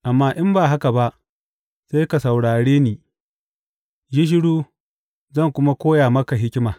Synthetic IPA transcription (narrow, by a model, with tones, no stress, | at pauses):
ʔa˨mːaː˦ʔɪ˦mbaː˨ɦa˦ka˨ba˦ʔ | seː˦ka˨sa˨wɽaː˨ɽeː˦niː˨ | d͡ʒi˦ʃ̬ɪ˦ɽuː˦ | zɐ˦˨ŋkʷʊ˦ma˦kʷoː˦jaː˨mɐ˦ka˨ɦɪ˦kʲɪ˦maː˨